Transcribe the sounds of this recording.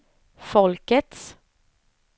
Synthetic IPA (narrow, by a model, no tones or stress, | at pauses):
fɔlkət̪s